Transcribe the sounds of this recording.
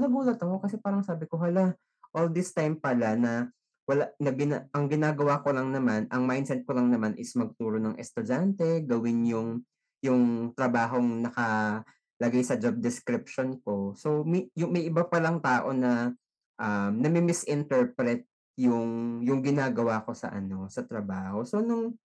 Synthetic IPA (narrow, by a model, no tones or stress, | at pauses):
nɐɡuːlɐt̪ɐko̞kɐsɛpaːɾɐŋsaːbɪko̞ɦɐla | ʔold̪ɪst̪ajmpɐlanɐ | wɐlanɐɡɪnaʔɐŋɡɪnaːɡɐwako̞lɐŋnɐmanʔɐŋmajd̪sɛt̪̚kolɐŋnɐmanʔɪsmɐɡ̚t̪uːɾo̞nɐŋʔɛst̪ʊd͡ʒant̪ɛɡɐwɪnjʊŋ | jʊŋt̪ɾɐbaːɦo̞ŋnɐkɐ | lɐɡajsɐd͡ʒob̚d̪ɛskɾɪp̚ʃonko̞so̞mjʊŋmɐjʔɪbapɐlɐŋt̪aːʔo̞nɐ | ʔamnɐmɪmɪsʔɪnt̪ɛɹpɾɛt̪̚ | jʊŋjʊŋɡɪnaːɡɐwako̞sɐ̰ʔɐ̰no̞sɐt̪ɾɐbaːho̞so̞nʊŋ